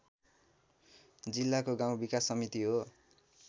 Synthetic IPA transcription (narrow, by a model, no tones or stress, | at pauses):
d͡zilːakoɡaw̃bikasːʌmit̪iɦo